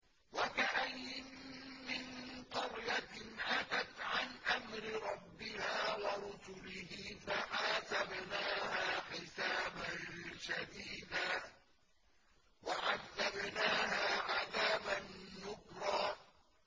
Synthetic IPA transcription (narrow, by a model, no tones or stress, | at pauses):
wakaʔajːɪmːɪnqʊɾjat̪ɪnʔat̪at̪ʕanʔamɾɪɾˤɑbːɪhaːwɑɾˤʊsʊlɪhɪːfaʔaːt̪abnaːhaːħɪsaːbanʃad̪iːd̪aː | waʕaðːabnaːɦaːʕaðaːbanːʊkɾˤɑː